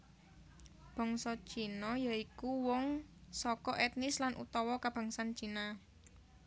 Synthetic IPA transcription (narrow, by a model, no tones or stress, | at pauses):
b̥ɔ̤ŋsɔ̥t͡ʃinɔjaikuwɔŋsɔkɔʔɛt̪nɪslanʔṵt̪ɔwɔkab̥a̤ŋsant͡ʃina